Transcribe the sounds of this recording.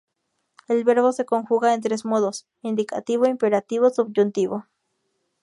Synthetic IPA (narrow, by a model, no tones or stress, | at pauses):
elbeɾβosekoŋxuɣaent̪̬ɾesmoðos | ind̪ika̰t̪iβoimpeɾat̪iβosubd͡ʒunt̪iβo